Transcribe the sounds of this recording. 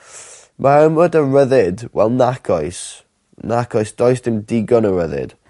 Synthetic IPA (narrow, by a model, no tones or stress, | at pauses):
mʔaɾəmədərəðɪdwɛ̰lˠnakʰɔjs | nakʰɔjsd̥ɔjsd̥ɪmdɪɡɔnəɹəðɪ̰d̥